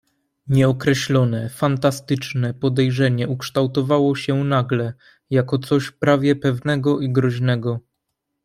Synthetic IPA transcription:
ɲɛɔkɾɛɕlɔnɛfant̪ast̪ɘt͡ʂnɛpɔd̪ɛjʐɛɲɛukʂt̪awt̪ɔvawɔɕɛnaɡlɛ | jakɔt̪sɔɕpɾavʲjɛpɛvnɛɡɔʔiɡɾɔʑnɛɡɔ

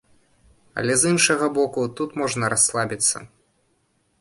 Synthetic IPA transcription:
ɐ̰lʲɛzinʂɐɣɐbɔkut̪ut̪mɔʐnɐɾaslˠabʲit̪sːɐ̰

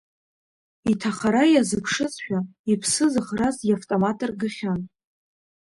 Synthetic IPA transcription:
itʰaχaɾajazɨpʰʂɨt͡sʃᶣaipʰsɨzɨχrazjaftʼomatʼɨrɡɨχʲan

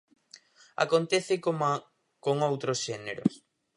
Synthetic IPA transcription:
a̰kont̪eθɪ | koŋowt̪ɾosʃɛneɾo̰s

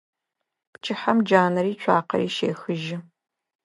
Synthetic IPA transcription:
pt͡ʃʼɪħamd͡ʒaːnɐɾiːt͡ʃʷʰaːqɐ̰ɾiːʃḛːxɨʒɪ

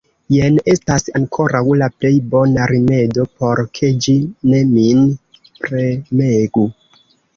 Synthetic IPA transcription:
jenestasaŋkʰo̞ɾawlaple̞jbo̞naɾime̞do̞po̞ɾkʰe̞d͡ʒine̞min | pɾemeɡu

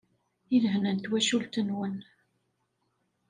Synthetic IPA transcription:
ilɦnənt̪wæʃult̪ənwən

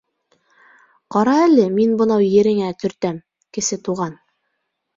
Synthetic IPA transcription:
qɑɾɑælɘminbɤ̆nɑwjɘ̆ɾɘ̆ŋæt̪ʰɵ̆ɾt̪æm | kɘ̆sɘt̪uʁɑn

